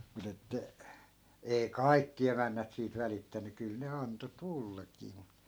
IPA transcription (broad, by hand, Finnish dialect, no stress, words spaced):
mut etːæ ei̯ kɑi̯kːi emænːæt siːt ʋælitːæny kyl ne ɑnto tulːɑkiː mu